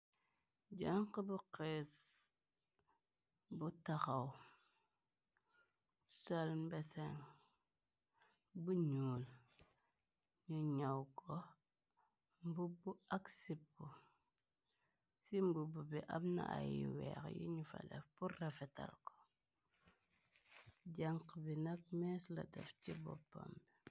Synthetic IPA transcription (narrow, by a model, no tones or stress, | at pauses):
d͡ʒaŋkibuqes | butaxaw | salbɛsɛŋ | buɲuːl | ɲuɲawkɔ | mbubuɐksipːu | simbububiʔamna̰ʔa̰jḭwɛ̰xjḭɲufɐ̰dɛ̰fpurrɛfɛtɐ̰lkɔ̥ | ɟaŋqbinɐk̚mɛːslɐ̰dɛ̰fcibɔ̰pːɔ̰mbi